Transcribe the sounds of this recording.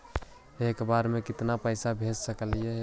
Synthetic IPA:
ekbaɾmekɪt̪napəɪsabʱed͡ʒsəkəlije

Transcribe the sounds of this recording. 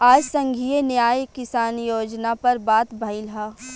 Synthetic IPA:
aːd͡ʒsɐ̃ŋɡʱiːenjaːjkɪsaːnjoːd͡ʒnapɐɾbaːt̪bʱɐɪlɦa

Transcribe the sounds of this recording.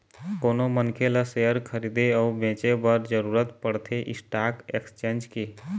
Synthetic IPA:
koːnomənkʰeləsejəɾkʰəɾiːd̪eɔːbʱẽːt͡ʃebəɾd͡ʒəɾuːɾət̪pəɽt̪ʰeʔɪ̰sʈaːkekst͡ʃẽːnd͡ʒke

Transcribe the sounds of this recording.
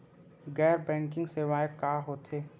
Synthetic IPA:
ɡɛːɾbɛ̃ːŋkɪ̃ŋɡseʋaːjəkːaːɦoːt̪ʰeː

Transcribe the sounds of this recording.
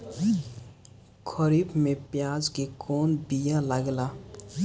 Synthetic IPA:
kʰəɾibmepjad͡ʒkekʰɔːnbijaləɡla

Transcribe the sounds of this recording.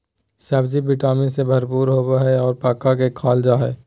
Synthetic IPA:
saːbd͡ʒibɪʈaːmisebʱɐɾpuːɾɦoːbaɦɛɔːɾpaːkːak̬ekʰaːld͡ʒaːɦɛː

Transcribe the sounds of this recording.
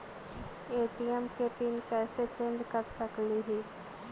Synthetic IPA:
eːʈiɛmkepinkɛːset͡ʃẽːnd͡ʒkəɾsəkliɦiː

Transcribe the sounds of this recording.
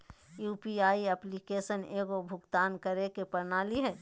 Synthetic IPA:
juːpiaːiəplikesəneːɡobʱʊɡt̪aːnkəɾekepəɾnaːliɦɛː

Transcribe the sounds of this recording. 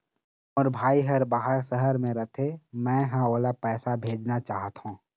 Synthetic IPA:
ɔːɾbʱaːiɦɐɾbaːɦəɾsəɦəɾmẽɾɐt̪ʰemɛ̃ːɦãoːlapɛːsabʱeːd͡ʒnat͡ʃaːɦət̪ɦũː

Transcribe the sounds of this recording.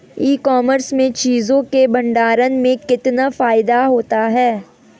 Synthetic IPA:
iːkɔːməɾsmẽt͡ʃiːzõkebɐ̃ɳɖaːɾənmẽkɪt̪nafaːɪd̪aɦoːt̪aɦɛː

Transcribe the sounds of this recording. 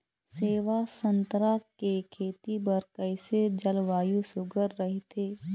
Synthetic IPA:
seːʋasə̃nt̪ɾakekʰeːt̪ibəɾkəɪsed͡ʒəlʋaːjusʊɡəɾːəɦet̪ʰeː

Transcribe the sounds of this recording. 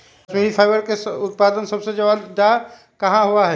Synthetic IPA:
smẽipʰaɪbəɾkeʊt̪̚paːd̪ənsəbsed͡ʒɐʋad̪a | kɐɦãɦuaɦɛ

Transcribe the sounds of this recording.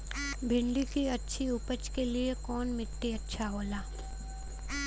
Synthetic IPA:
bʱɪ̃ɳɖikiɐtːʃʰiʊpət͡ʃkeliekɔːnmɪʈːiɐtːʃʰaɦoːlaː

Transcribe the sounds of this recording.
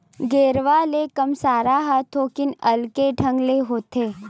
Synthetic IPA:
ɡeːɾʋalekɐmsaːɾaɦat̪ʰoːkɪnɐlkeɖʱɐ̃ŋɡleɦoːt̪eː

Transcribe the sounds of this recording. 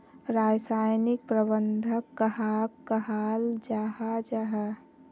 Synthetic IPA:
ɾaːd͡ʒsaːjnɪk̚pɾəbənd̪ʱəkːəɦakkəɦaːld͡ʒaːɦad͡ʒaɦa

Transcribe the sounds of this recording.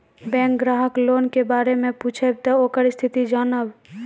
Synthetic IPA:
bɛ̃ːŋkɡɾaːɦəkloːnkebaːɾemẽpuːt͡ʃʰeb̚t̪ookəɾist̪ʰɪt̪id͡ʒaːnəb

